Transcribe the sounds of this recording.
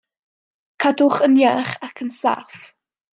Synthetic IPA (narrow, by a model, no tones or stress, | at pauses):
kʰadʊχənjaːχakʰənsa̰f